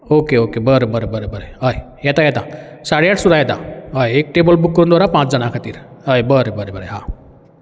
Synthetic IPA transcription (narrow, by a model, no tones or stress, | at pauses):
okeokebəɾebəɾebəɾebəɾeɦəj | jɛt̪ajɛt̪ãsaɽejaʈʰsud̪ʱajɛt̪a̰ɦəjek̚ʈebəlbukːəɾund̪ʋaːɾapãt͡sd͡zənakʰat̪iːɾ | əjbəɾebəɾebəɾeɦã